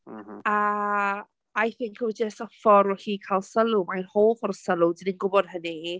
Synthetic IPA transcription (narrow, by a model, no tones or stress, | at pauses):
a | ajθɪŋkʰwɪd͡ʒəstɔfɔɾwɛɬiːkʰalˠsəlˠʊmajnhoːvɔɾsəlˠʊdininɡʊbɔd̥̚həni